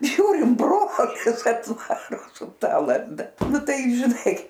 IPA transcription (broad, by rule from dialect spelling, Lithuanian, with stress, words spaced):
ˈʒʲuːrʲɪm ˈbroːlʲɪs ɐtˈʋɑːroː sʊ ˈtɐ lˠɐzˈdɐ ˈnʊ ˈtɐɪ ʒʲɪˈnɐɪ